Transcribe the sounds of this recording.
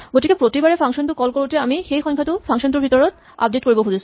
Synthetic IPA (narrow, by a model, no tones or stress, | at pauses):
ɡoʈikepɾot̪ibaɾefʰaŋʃont̪uɾkɔlkɔloʈeamixejxɔj̃ŋkʰat̪ufʰaŋʃonʈuɾbʱit̪ɔɾot̪ | a̰p̚ɖeʈ̚koɾibobʱud̪is